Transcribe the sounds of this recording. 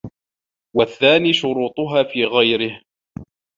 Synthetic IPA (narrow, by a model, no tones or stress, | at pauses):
waθːaːniːʃʊɾuːt̪ˤʊɦaːfiːɣajɾɪh